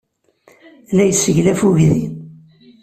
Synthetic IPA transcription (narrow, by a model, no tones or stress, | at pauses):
læjəsəʝlæfuʝði